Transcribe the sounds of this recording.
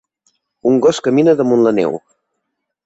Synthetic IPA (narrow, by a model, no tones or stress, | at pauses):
uŋɡɔskəminəðəmunlənɛ̰w